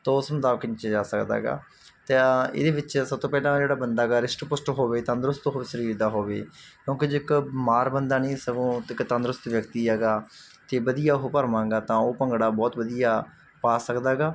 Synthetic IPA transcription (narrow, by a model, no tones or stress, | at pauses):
t̪aːʊsmʊt̪aːʋkənt͡ʃed͡ʒaːsəkd̪a̰ːɡa̰ː | t̪eɪ̰d̪eːʋɪt͡ʃsəb̚t̪õːpɛːlãːd͡ʒeːɽaːbənd̪aːɡaːɾɪsʈpʊsʈɦoːʋeːt̪ə̃nd̪ɾʊst̪oːɦoːʋeːsəɾiːɾd̪aːɦoːʋeːkjõːked͡ʒɪkmaːɾbənd̪aːnẽːsəɡõːɪkt̪ə̃nd̪ɾʊst̪ʋjəkt̪iːɛːɡaː | t̪eːbəd̪ijaːɦopəɾmãːŋɡaːt̪ãːoːpəŋɡɽaːbɔːt̪ʋəd̪ijaː | paːsəkd̪aːɡaː